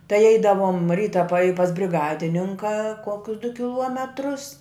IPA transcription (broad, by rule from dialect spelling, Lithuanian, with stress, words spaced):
tɐɪ ˈɛɪdɐʋoːm ˈrʲiːtɐ pɐ ɪ pɐs bʲrʲɪˈɡɑːdʲɪnʲɪŋkɐ ˈkoːkʲʊs dʊ kʲɪˈlˠuɔmʲɛtrʊs